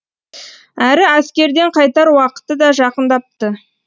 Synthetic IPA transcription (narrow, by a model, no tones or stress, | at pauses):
æɾɪæskʲe̞ɾd̪eɴqʰɑjt̪ɑɾwɑqə̥t̪ːəd̪ɑʒɑqənd̪ɑp̚t̪ə